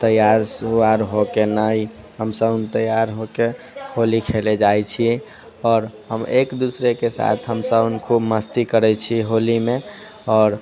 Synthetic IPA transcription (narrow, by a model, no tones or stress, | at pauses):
t̪əjaɾsaɾɦokenəi | ɦəmsəbnt̪əjaɾɦoke | holikʰeled͡ʒajt͡ʃʰi | ɔːɾɦəmekd̪usɾekesa̰t̪ʰɦəmsəbnkʰubməst̪ikəɾɛt͡ʃʰiɦolime | ɔːɾ